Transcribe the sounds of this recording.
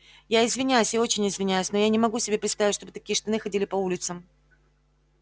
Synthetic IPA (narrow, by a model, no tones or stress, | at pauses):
jaɪzvʲɪnʲæjʊsʲɪo̞t͡ɕɪnʲɪzvʲɪnʲæjʊsʲnojanʲɪmɐɡusʲɪbʲepɾʲt̪st̪avʲɪtʲʂt̪obɨt̪ɐkʲiəʂt̪ɐnɨxɐdʲilʲɪpɐulʲɪt̪səm